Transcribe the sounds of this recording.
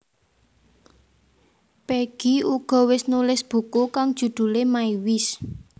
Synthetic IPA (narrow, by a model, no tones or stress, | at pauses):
peɡ̥iuɡ̥ɔ̤wɪsnulɪsb̥ṳkokaŋd̥ʒ̥ṳd̪̥ṳlemaiwɪs